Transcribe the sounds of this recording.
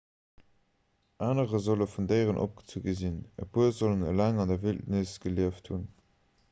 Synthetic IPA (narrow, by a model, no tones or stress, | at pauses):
ʔaːnəʁəzoləfundəɪʁənʔo̰p̚ɡ̥ə̥t͡suɡəzinə̰buɐzolənə̰læːŋɑndɐviltnəsɡ̥əliəfthun